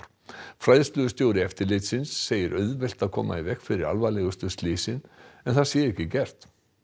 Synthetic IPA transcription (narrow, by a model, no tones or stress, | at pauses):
fɾajðst̪lʏðʏst̪joːwɾɪɛft̪ɪɾlɪt̪sɪnsːeːjɪɾʔœɥðvɛl̥t̪aðkʰɔ̰ːma̰ivɛhkfɪɾɪɾa̰lvalɛɣʏst̪ʏst̪liːsɪnɛnθaðsjɛɪhcɪcɛr̥t̪